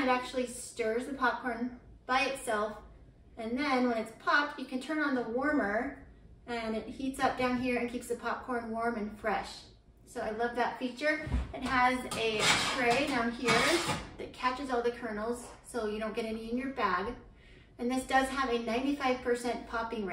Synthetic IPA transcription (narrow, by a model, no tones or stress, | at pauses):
ɨɾæk̚t͡ʃul̩ˠistɜ˞zðɨpʰɑp̚kʰɔɹn | b̥aɪɨtsɛlˠf | ɨ̃nðɨ̃nwə̃ñɨtspʰɑp̚ʰɨkʰɨ̃ntʰɜ̃˞nə̃nðəwɔɹmə˞ | ɨ̃nɨt̚hitsʌp̚d̥ãʊ̃nɦiɹɨ̃nkʰipsðɨpʰɑp̚kʰɔɹnwɔɹmɨ̃nfɹɛʃ | soʊaɪlʌvðɨtfit͡ʃə˞ɨt̚ɦəzɨtʰɹ̥eɪdãʊ̃nhiɹðɨt̚kʰæt͡ʃɨzɔlˠðɨkʰɜ˞nl̩ˠz̥soʊjɨɾõʊ̃nɡ̥ɛɾɛniɨ̃njə˞bæɡ | ɨ̃nðɪsd̥ʌz̥əvɨnãɪ̃ntifaɪv̥pʰə˞sɛ̃npʰɑpɪ̃ŋɹ